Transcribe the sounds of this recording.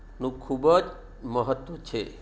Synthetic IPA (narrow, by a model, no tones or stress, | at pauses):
nũkʰubəd͡ʒ | məɦət̪ʋət͡ʃʰe